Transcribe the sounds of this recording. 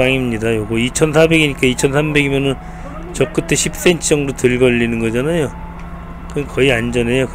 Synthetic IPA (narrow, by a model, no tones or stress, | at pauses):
aŋimɲidajoɡoit͡ɕʰʌnsʰabe̞ɡiɲik͈ait͡ɕʰʌnsʰambe̞ɡimʌnɯn | t͡ɕʌk͈ɯtʰe̞ɕʰip̚s͈e̞nt͡ɕʰd͡ʑʌŋdotɯɭɡʌʎːinɯnɡʌd͡ʑanajo | kɯkʌiand͡ʑʌne̞jok